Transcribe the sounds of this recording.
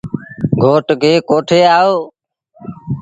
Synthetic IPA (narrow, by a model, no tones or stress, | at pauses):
ɡʱoːʈkeːkoːʈʰeːaːoː